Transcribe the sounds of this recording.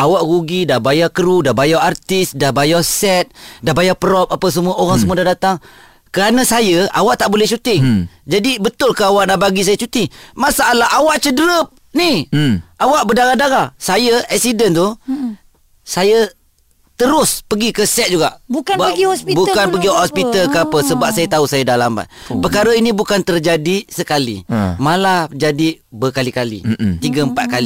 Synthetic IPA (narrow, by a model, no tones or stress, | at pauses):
awaʔɣuɡidahbajakəɾudahbajaart̪ɪsdahbajasɛt̪̚dahbajapəɾɔp̚apəs̬əmuaʔoɾaŋsəmuadahdat̪aŋ | kəɾanəsajəawaʔt̪aʔbolɛht͡ʃut̪ɪŋd͡ʒadibət̪ʊlkəawaʔnabaɡis̬ajat͡ʃut̪imasaalaɦawaʔt͡ʃədəɾəp̚ | niʔawaʔbədaɣadaɾasajəɛksidənt̪u | sajə | t̪əɾʊspəɡikəsɛt̪̚d͡ʒuɡaʔbbɡsbukanpəɡihɔspit̪alkəapəsəbap̚sajət̪ausajədalamba̰t̪̚pəkaɾəinibukant̪ərd͡ʒadisəkalḭmalad͡ʒadi | bəkalikalḭt̪iɡəəmpat̪̚kali